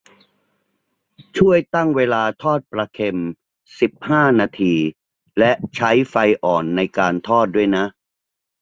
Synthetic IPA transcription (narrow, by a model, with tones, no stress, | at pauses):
t͡ɕʰu˥˩əjt̪a˥˩ŋweː˧laː˧t̪ʰɔː˥˩t̪̚pɾa˧kʰe˧m | si˨˩p̚haː˥˩naː˧t̪ʰiː˧ | lɛ˦˥ʔt͡ɕʰa˦˥jfa˧jʔɔː˨˩nːa˧jkaː˧nt̪ʰɔː˥˩t̪̚du˥˩əjna˦˥ʔ